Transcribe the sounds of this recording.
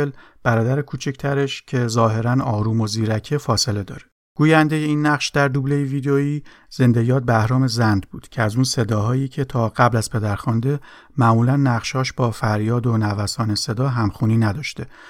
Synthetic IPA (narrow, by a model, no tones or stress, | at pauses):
el | b̥æɾɒːd̪æɾekʰuːt͡ʃʰict̪ʰæɾe̞ʃcʰe̞zɒːɦe̞ɾænɒːɾuːmo̞ziːɾæcʰefɒːse̞le̞d̪ɒ̰ːɾe | ɡ̥uːjænd̪e̞jeiːnːæʁʃd̪æɾd̪ublejevid̪eoiː | z̥e̞nd̪e̞jɒːt̪̚bæhɾɒːme̞zænd̪buːd̪̥cʰeæzunse̞d̪ɒːɦɒːjiːcʰe̞t̪ʰɒːɢ̥æblæz̥pʰe̞d̪æɾxɒnd̪e̞ | mæmuːlænːæʁʃhɒːʃbɒːfæɾjɒːd̪o̞nævæsɒːne̞se̞d̪ɒːɦæmxuːniːnæd̪ɒːʃt̪e̞